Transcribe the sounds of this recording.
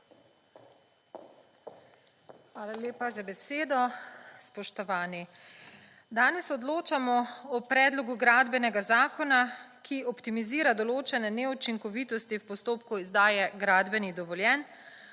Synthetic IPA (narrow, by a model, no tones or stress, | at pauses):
xʋaːlaljeːpazabɛseːd̪ɔspɔʃt̪ɔʋaːni | d̪aːnɛsɔd̪loːt͡ʃamɔɔpɾɛːd̪lɔɡuɡɾaːd̪bɛnɛɡazaːkɔnakʰiɔpt̪imiziːɾad̪ɔloːt͡ʃɛnɛnɛut͡ʃiŋkɔʋiːt̪ɔst̪iwpɔst̪oːpkuizd̪aːjɛɡɾaːd̪bɛnid̪ɔʋɔljɛːn